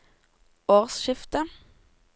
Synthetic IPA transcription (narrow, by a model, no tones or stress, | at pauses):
oːʁsʃɪft̪ə